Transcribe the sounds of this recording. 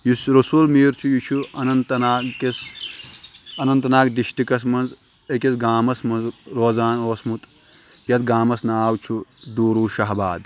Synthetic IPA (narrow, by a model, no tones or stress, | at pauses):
jusɾɐsulmiːɾt͡ʃ̪ʰujut͡ʃʰuɐnɐnt̪ɐnaːɡkes | ɐnɐnt̪ɐnaːɡd̪iʃʈikɐs̬mɐnz | ekʲesɡaːmɐsmɐnzɾoːzaːnoːsmut̪ | jɐt̪̚ɡaːmɐsnaaːwt͡ʃʰud̪uːɾuːʃɐɦɐbaːd̪